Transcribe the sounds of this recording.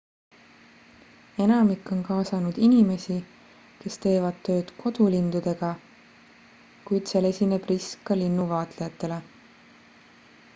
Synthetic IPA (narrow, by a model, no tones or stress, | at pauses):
e̞nɑmikːˑo̞nkɑːsɑnud̪̥inime̞si | ke̞st̪e̞ːvɑd̪̥t̪ːø̞ːd̪̥kʰo̞d̪̥ulind̪ud̪e̞ɡ̥ɑ | kujd̪̥sele̞sʲine̞b̥riskːɑlinːuvɑːt̪lejɑt̪ːˑe̞le̞